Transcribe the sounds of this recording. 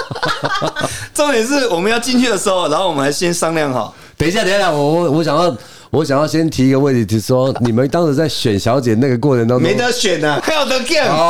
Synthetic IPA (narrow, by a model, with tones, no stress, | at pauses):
t͡so˥˧ŋjɛ˨˩nʂ̬̩˥˩wɔ˨˩mə˦njɑ˥˧ʊt͡ɕi˥˧nt͡ɕʰy˥˩d̪ə˩ʂɻ̩˧˥xo˧ʊna˧˥nxo˥˩wɔ˨mə˦nʰ˩a˧˥ɪɕjɛ˦˥nsɑ˥ŋljɑ˥˨˩ŋxɑ̰˨˩˦ | t̪e˨ɪ˧ɕ̬ja˥˩t̪i˧˥˩ja˥˩wɔ˨˦wɔ˧˦ɕ̬jɑ˨ŋjɑ˥˩ʊ | wɔ˧˦ɕjɑ˨˩ŋjɑ˥˩ʊɕjɛ˦˥nt̪ʰi˧˥i˧ɡə˧wə˥˩t̪ʰi˨˩t̪ʰi˨˩ʂwɔ˦ni˨˩mə˦nt̪ɑ˥ŋʂ̩˧˥t͡sa˥˩ɪɕɥɛ˨˩nɕjɑ˧˥ʊt͡ɕjɛ˨˩na˥˩ɡə˩kwɔ˥˩t͡sʰə˧˦nt̪ɑ˥ŋme˨˦ɪt̪ə˧ɕɥɛ˨˩na˨xa˧˥jo˨˩ʊt̪ə˧˦kɛ˥˩n